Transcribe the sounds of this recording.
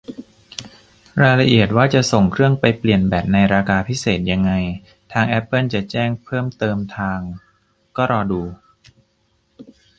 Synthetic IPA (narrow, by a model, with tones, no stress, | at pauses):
ɾaː˧jla˧ʔi˨˩ət̪̚waː˥˩t͡ɕa˨˩ʔso˨˩ŋkʰɾɯ˥˩əŋpa˧jpli˨˩ənbɛː˨˩p̪̚na˧jɾaː˧kaː˧pʰi˦˥seː˨˩t̪̚ja˧ŋːa˧j | t̪ʰaː˧ŋʔɛ˦˥pːɤ˥˩nt͡ɕa˨˩t͡ɕɛː˥˩ŋpʰɤː˥˩mt̪ɤː˧mt̪ʰaː˧ŋ | kɔː˥˩ɾɔː˧duː˧